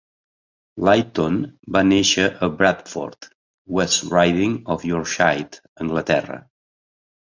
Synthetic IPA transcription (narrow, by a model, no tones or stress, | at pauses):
lajt̪onbaneʃəʔəbɾat̪fo̰ɾt̪ | wɛsɹajðĩŋɔfjɔɹʃajt̪ | ə̃ŋɡlət̪ɛ̰rə̰